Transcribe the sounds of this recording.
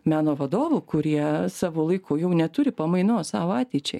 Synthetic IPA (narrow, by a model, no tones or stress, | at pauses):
mʲæːnoːʋɐd̪oːʋuːkʊɾʲiɛsɑːʋoːlˠɐɪkojɛʊnʲɛt̪ʊɾʲɪpɐmɐɪnoːssɑːʋoːɑːt̪ʲɛɪt͡ʃʲɛɪ